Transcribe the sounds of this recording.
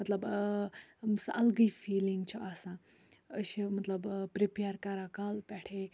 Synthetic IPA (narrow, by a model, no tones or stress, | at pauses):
mɐt̪lɐb | sɐʔɐlɡəifiːliŋɡt͡ɕʰoʔasã | əɕimɐt̪ləbpɾipeɾkɐɾakalpɛʈʰe